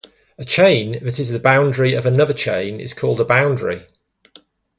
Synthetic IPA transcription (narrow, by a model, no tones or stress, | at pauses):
ət͡ʃʰẽɪ̃nðətɪzəbãʊ̃ndɹiəvənʌðət͡ʃʰḛ̃ɪ̃nɪ̰z̥kʰɔːlˠdəbãʊ̃ndɹḭ